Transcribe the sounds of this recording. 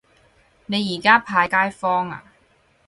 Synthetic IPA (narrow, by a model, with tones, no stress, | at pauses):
ne˨˧jiː˨˩kaː˥pʰaː˧jkaː˥jfɔː˥ŋa̰ː˧˩